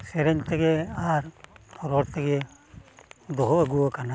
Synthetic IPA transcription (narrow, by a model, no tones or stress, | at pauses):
sɛɾɛɲt̪ɛɡɛaɾʰɔɾɔɾt̪ɛɡɛ | d̪ɔɦɔəɡuakana